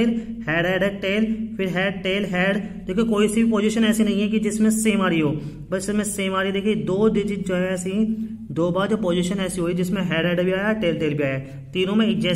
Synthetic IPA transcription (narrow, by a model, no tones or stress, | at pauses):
ɪɾhɛːɖɛːɖɛʈeːlpʰɪɾɦɛːɖʈeːlɦɛːɖd̪eːkʰːkoːisibʱipoːd͡ʒiʃənɛːsinɐɦĩɦɛkid͡ʒɪsmẽseːmaːɾiɦoː | bəsɪmẽseːmaːɾid̪eːkʰid̪oːd̪ɪd͡ʒid͡ʒoɛsĩ | d̪oːbaːɾd͡ʒopoːd͡ʒiːʃənɛːsiɦoːid͡ʒɪsmẽɦɛːɖɛːɖbʱiaːjaʈeːlʈeːlbʱiaːjaː | t̪iːnõːmẽɪk̚d͡ʒɛː